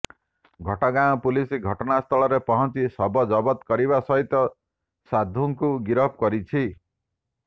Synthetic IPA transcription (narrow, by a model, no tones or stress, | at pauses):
ɡʱɔʈɔɡaɔpulisiɡʱɔʈɔnast̪ʰɔɭɔɾepɔɦɔnt͡ʃisɔbɔd͡ʒɔbɔt̪kɔɾiβasɔɦit̪ɔ | sad̪ʱuŋkuɡiɾɔp̚kɔɾit͡ʃʰi